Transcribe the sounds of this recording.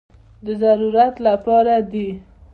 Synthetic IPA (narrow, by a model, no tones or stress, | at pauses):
d̪əzaɾuɾat̪lapɑɾad̪i